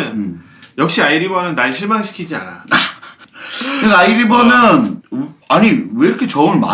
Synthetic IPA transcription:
n | jʌk̚ɕ͈iaiɾibʌnɯnːaɭɕʰiɭmaŋɕʰi̥kʰid͡ʑia̰na̰a | kɯaiɾibʌnɯnaɲiweɾkʰet͡ɕʌɯnma̰

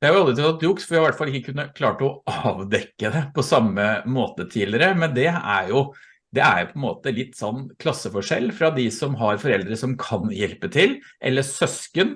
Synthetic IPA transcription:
d̪jæhɑɾʊɑld̪ɾɪt̪ʰt̪ɑt̪juksfɔɾjæɪʋæʈːfɑlːɪkːəkʰʉnːəkʰlɑːʈəɔɑːʋd̪ɛkːəd̪ɛpʰɔsɑmːəmoːt̪ət̪ʰiːlɪəɾəmɛnd̪ɛæ̰ɾjʊ | d̪ɛæ̰ɾjʊpʰɔɛnmo̰ːt̪əlɪt̪ːsɔnːkʰlɑsːəfɔʂɛ̰lːfɾɑd̪ɪsɔmɦɑɾfɔɾɛld̪ɾəsɔmkʰɑnjɛlpət̪ʰɪlʔɛ̰lːəsœskən

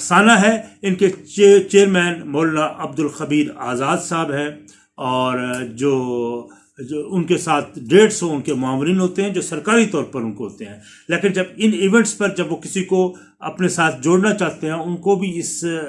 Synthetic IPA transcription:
ɐsaːnaɦɛɪnket͡ʃːt͡ʃeːəɾmɛːnmoːlnaʔɐb̚d̪ʊlxɐbiːɾaːzaːd̪saːbɦɛ̃ | ɔːɾd͡ʒoː | ʊnkesaːt̪̚ʰɖeːʈsɦõʊnkemʊaːʋɾiːnɦoːt̪eɦɛ̃d͡ʒoːsɐɾkaːɾit̪ɔːɾpɐɾʊnkoɦoːt̪eɦɛ̃ː | leːkɪnd͡ʒɐbɪnɪːʋɛ̃ɳʈspɐɾd͡ʒɐbʋokɪsiko | ɐ̰pnesaːt̪ʰd͡ʒoːɽnat͡ʃaːɦt̪eɦɛ̃ʊnkobʱiɪs

